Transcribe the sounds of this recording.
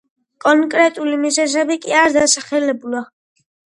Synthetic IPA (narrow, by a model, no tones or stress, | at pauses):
kʼɔŋkʼɾɛt̪ʼulimizɛzɛbikʼiaɾd̪asaχɛlɛbula